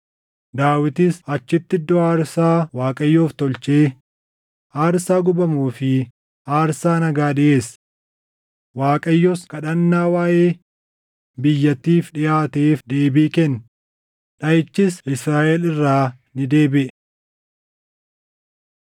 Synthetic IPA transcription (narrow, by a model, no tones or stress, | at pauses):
d̪aːwɪt̪ɪsɐt͡ʃːɪt̪ːɪd̪ɔaːɾsaːwaːkʼɐjːoːft̪ɔlt͡ʃeː | aːɾsaːɡʊbɐmuːfɪ | aːɾsaːnɐɡaːd̪ɪʔeːs | waːkʼɐjːoskɐᶑɐnːaːwaːʔeː | bɪjːɐt̪ːiːfᶑɪjaːt̪eːfd̪e̞ːbiːkɛn | ᶑɐjɪt͡ʃːɪsɪsɾaːʔɛlɪrːaː | nɪd̪e̞ːbɪʔɛ